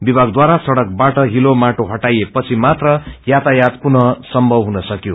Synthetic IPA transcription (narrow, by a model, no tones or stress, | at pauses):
bibʱaɡd̪waɾasʌɽʌk̚baʈʌɦilomaʈoɦʌʈajepʌt͡sʰimat̪rʌjat̪ajat̪punʌsʌmbʱʌwɦunʌsʌkjo